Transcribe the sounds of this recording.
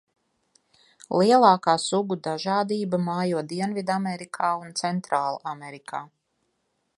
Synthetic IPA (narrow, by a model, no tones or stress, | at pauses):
lˠiɛlˠaːkaːsuɡud̪aʒaːd̪iːbamaːjuɔd̪iɛnvid̪amɛɾikʰaːunt̪sɛnt̪ɾaːlˠa̰amɛɾikʰaː